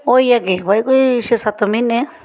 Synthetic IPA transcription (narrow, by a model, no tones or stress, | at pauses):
ojakeβaikʷiʃisat̪omĩnẽ